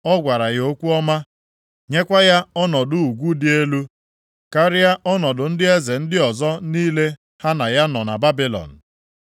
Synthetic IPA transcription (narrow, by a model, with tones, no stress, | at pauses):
ɔ˦ɡʷa˨ɾa˨ɣo˦kʷu˦ɔ˦ma˦ | ɲe˦kʷa˦ja˦ɔ˦nɔ˨dʊ˦u˨ɡʷu˦dɪ˦e˦lu˦ | ka˦ɾɪ˦a˦ʔɔ˦nɔ˨dʊ˨n̩˦dɪ˦e˦ze˨n̩˦dɪ˦ɔ˨zɔ˦niː˦le˦ | ha˦na˨ja˦nɔ˨na̰˨ba˦bɪ˦lɔ̰˨n̩˨